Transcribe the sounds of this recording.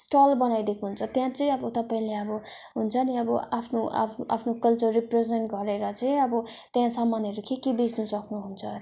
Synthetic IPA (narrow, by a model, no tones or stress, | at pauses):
sʈʌlbʌnajd̪ekʰuɦunt͡sʰʌt̪jãt͡sʌj̃ʌbʌt̪ʌpaĩleʌbʌɦunt͡sʰʌniʌbʌapʰnoʔa̰pʰʔa̰pʰnokʌlt͡sʌriprezenʈɡʌɾeɾʌt͡sʌĩʌbʌt̪jãsʌmːanʌɾukekebid͡znusʌknuɦunt͡sʰʌ